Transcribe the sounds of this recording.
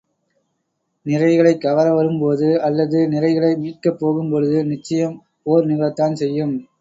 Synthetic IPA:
nɪɾɐɪɣɐɭɐɪkːɐʋɐɾɐʋɐɾɯmpoːðɯɐlːɐðɯnɪɾɐɪɣɐɭɐɪmiːʈ̚kɐpːoːɣɯmpɔɻɯðɯnɪt͡ʃːɐjɐm | poːɾnɪɣɐɭɐt̪ːaːnsɛjːɯm

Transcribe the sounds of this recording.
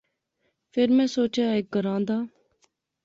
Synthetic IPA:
pʰɪɾmɛ̃ːsoːt͡ʃjaːeːk̚ɡəɾãːnd̪aː

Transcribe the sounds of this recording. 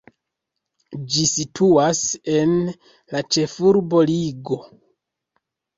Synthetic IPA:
d͡ʒisitʰuase̞n | lat͡ʃe̞fuɾbo̞liɡo̞

